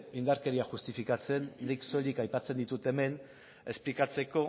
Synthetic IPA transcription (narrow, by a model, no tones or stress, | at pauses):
ind̪aɾke̞ɾiaʝust̪ifikat͡se̞ndikso̞likajpat͡se̞nd̪it̪ut̪e̞me̞n | e̞splikat͡se̞ko̞